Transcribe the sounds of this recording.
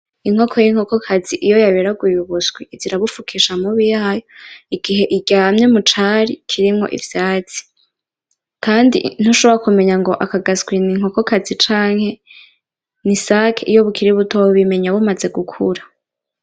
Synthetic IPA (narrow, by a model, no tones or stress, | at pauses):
iŋ̥o̞kʰojiŋ̥hoko̞kʰaz̥iʔijo̞jaβeɾaɡujuβusɡwiiziɾaβufukʰiʃamuβijaːjoiɡiɦe̞ʔiɟaːmɲemut͡ʃaɾikʰiɾimŋo̞̰ʔḭvjaːt͡si̥ | kaːndḭn̥uʃo̞βoɾakume̞ɲaŋɡo̞ʔakaɡasɡwiniŋ̥o̞ko̞kazit͡ʃaːŋ̥he̞ | nisakʰeʔijo̞βukʰiɾiβutʰoβime̞ɲaβumaze̞ɡukʰṵɾa